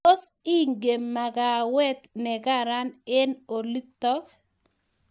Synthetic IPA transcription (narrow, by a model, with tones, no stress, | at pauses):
o˦si˦ŋɡe˨mːa˨ɡa˨wɛ˦t̪nɛ˨ɡa˦ɾa˦nɛ˦no˨li˦t̪ːɔ˦k